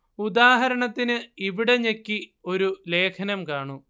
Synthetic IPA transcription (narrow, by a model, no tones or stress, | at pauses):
ud̪aːɦɐɾɐɳɐt̪ːinɨiʋiɽe̞ɲekːio̞ɾule̞ːkʰɐnɐmkaːɳu